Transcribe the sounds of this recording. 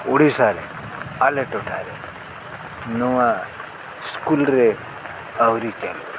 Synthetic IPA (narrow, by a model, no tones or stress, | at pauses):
uɽisaɾḛ | aleʈuʈʰaɾe | nuwa | skulɾe | əwɾit͡ʃal